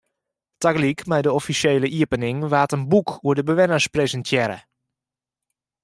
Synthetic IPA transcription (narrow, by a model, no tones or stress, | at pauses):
taɡlikmɛjdəɔfisjeːləʔiəpənɪŋʋaːtənbukuədəbəʋɪnəɹsprezəntʰjɛɾə̰